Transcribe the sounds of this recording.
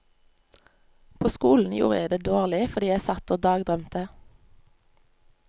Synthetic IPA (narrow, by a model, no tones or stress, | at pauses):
pʰoːskuːln̩jṵːʁəæd̪eːd̪oːʁlɪfɔʁd̪iːjæɪsɑt̪oːd̪ɑːɡd̪ʁœmt̪ʰə